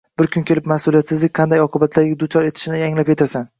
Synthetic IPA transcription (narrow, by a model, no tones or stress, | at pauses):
bɪɾkʲʰʊnkʲʰe̞lɪpmasʊlijat̪sɪzlɪk̚ʲqʰɑnd̪ajɒqʰɨbat̪ʰlaɾɡʲad̪ʊt͡ʃʰɒɾe̞t̪ʰɪ̥ʃɪnɪaŋlapjʰet̪ʰasan